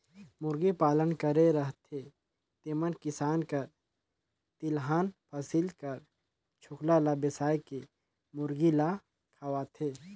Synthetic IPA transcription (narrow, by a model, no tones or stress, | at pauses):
mʊɾɡipaːlənkəɾeɾɐɦt̪ʰe | t̪eːmənkɪsaːnkɐɾ | t̪ɪlɦaːnpʰɐsilkɐɾ | t͡ʃʰʊklalabɪsaːjke | mʊɾɡila | kʰɐʋaːt̪ʰeː